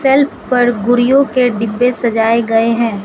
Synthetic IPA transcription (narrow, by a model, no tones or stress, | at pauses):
sɛlpʰpɐɾɡʊɾijõkeɖɪbːesɐd͡ʒaːeɡɐeɦɛ̃ː